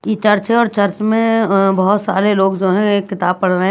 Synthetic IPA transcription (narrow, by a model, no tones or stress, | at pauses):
jit͡ʃɐɾt͡ʃeɔːɾt͡ʃəɾt͡ʃmẽbɐɦʊt̪saːɾeloːɡd͡ʒoːɦɛ̃kɪt̪aːb̚pɐɽɾəɦɛ̃